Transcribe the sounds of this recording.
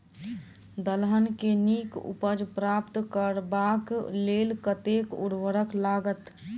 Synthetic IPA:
d̪əlɦənkenikṵpəd͡ʒpɾaːpt̪kəɾbakleːlkət̪ekṵɽʋəɾəklaɡət̪

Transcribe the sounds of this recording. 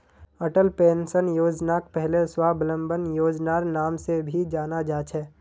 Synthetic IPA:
əʈəlpeːnsənjoːd͡ʒnaːk̚pɛɦleswaːblə̃mbənjoːd͡ʒnaːɾnaːmsebʱid͡ʒaːnad͡ʒaːt͡ʃʰɛː

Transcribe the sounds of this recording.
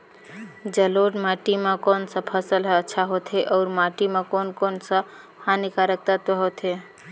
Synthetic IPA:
d͡ʒəloɖmaʈimakoːnsə̃pʰəsəlɦətːʃʰaɦot̪ʰeʔɔːɾmaʈimekonkonsə | hanikaɾək̚t̪ət̪eɦot̪ʰe

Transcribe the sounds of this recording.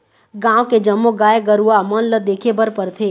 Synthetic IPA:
ɡãːʋked͡ʒəmːoɡaːeɡəɾuamənləd̪eːkʰebəɾpəɾt̪ʰeː

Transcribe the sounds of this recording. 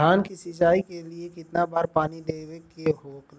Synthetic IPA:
aːnkisɪt͡ʃaːikeliekɪt̪nabaːɾpaːnid̪eːʋekeɦoːk

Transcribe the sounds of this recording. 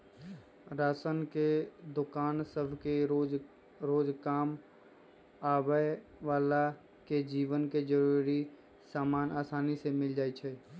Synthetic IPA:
ɾaːsənked̪ʊkaːnsəbʱke | ɾoːd͡ʒkaːm | aːbəjʋaːla | ked͡ʒiːʋənked͡ʒəɾuɾi | saːmaːnaːsaːnisemɪld͡ʒaːet͡ʃʰɛː

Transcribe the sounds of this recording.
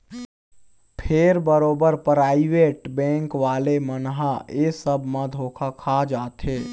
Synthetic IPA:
pʰeːɾbəɾoːbəɾpɾaːɪʋeːʈbɛ̃ːŋkʋaːlemənɦaesəbʱmãd̪ʱoːkʰakʰad͡ʒaːt̪ɦeː

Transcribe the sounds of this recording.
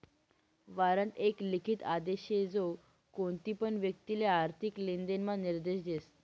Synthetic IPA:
ʋaɾənt̪eklikʰit̪ad̪eɕed͡zo | koɳt̪iːpəɳʋjək̚t̪ileaɾt̪ʰiklind̪enmaniɾd̪eɕd̪es

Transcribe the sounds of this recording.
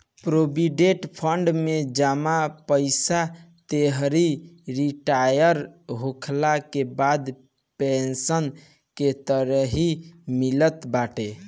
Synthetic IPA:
pɾobiɖeʈpʰəɳɖmed͡ʒamapəɪsa | t̪eɦɾiɾiʈajəɾɦokʰlakebad̪ | pensən | ket̪əɾəɦimilət̪baʈe

